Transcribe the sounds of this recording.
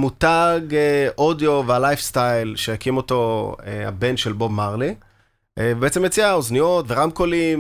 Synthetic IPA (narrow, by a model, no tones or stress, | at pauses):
mutaɡʔodjo̞vealajfstajlʃejakimo̞to̞ea̰be̞nʃe̞lbo̞bmaʁli | vebeet͡semjet͡siaoznijotveʁamkolim